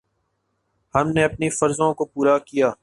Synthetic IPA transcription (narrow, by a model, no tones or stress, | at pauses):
hɐmneɐpnifɐɾzõkopuːɾakijaː